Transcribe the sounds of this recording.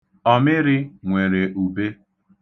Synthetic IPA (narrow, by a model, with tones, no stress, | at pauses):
ɔ˦mɪ˦ɾɪ˦ŋʷe˨ɾe˨ʔu˨be˦